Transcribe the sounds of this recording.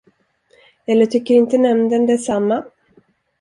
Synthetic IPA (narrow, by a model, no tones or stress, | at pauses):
ɛlːəʈʰʏkːəɾɪnt̪ənɛmnd̪ɛnd̪ɛsamːa